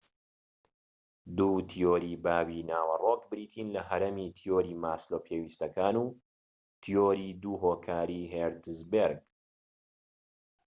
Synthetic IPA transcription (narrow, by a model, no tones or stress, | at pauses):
d̪uːt̪ʰijoːɾiːbaːwinaːwɐrokbɨɾiːt̪ʰinlɐɦɐɾemit̪ʰijoːɾiːmaːsloːpʰeːwiːst̪ɐkaːnuː | t̪ʰijoːɾiːd̪uːɦoːkʰaːɾiɦeɾd̪ɨzbeɾɡ̚